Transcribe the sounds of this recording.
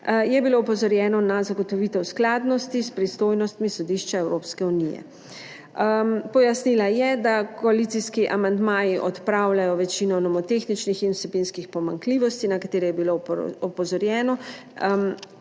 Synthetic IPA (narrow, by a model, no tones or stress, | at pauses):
jɛbiloːpɔzɔɾjɛːnɔnazaɡɔt̪ɔʋit̪ɛwsklaːd̪nɔst̪ispɾist̪oːjnɔst̪misɔd̪iʃt͡ʃaɛwɾoːpskɛunijɛ̰ | mpɔjasnilajɛd̪akɔalit̪siskiʔamand̪maːjiʔɔt̪pɾawlajɔʋɛt͡ʃinɔnɔmɔt̪exnit͡ʃnixinusɛbinskixpɔmaŋkliːʋɔst̪inakat̪eːɾɛjɛbiloɔpɔzɔɾjɛːnɔm